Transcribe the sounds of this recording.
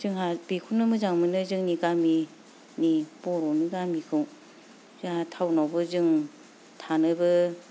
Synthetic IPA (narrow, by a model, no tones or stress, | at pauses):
zɯŋhabikʰunɯmɯzaŋmɯnɯzɯŋniɡami | nib̥ɔɾɔniɡamikʰɯw | zatʰawnawbɯzɯŋ | tʰanɯbɯ